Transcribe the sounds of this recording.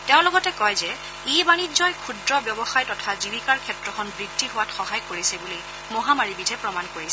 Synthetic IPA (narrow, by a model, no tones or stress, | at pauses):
tɛʊ̃lɔɡɔtɛkɔjzɛ | ibanizɔjkʰudɹɔbjɔbɔxajtɔtʰazibʱikaɹkʰɛtɹɔkʰɔnbɹidʱːiɦʊwatxɔɦajkoɹisɛbuli | mɔɦamaɹibidʱɛpɹɔmankoɹisɛ